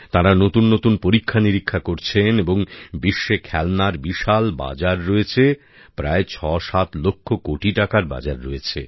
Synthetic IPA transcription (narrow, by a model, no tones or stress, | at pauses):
t̪aɾanot̪unːot̪unpoɾikʰːaniɾikʰːakoɾt͡ɕʰeneboŋbiʃːekʰɛlnaɾbiʃalba̰d͡ʑaɾːoet͡ɕʰe | pɾaet͡ɕʰɔʃat̪lokʰːokoʈiʈakaɾba̰d͡ʑaɾːoet͡ɕʰe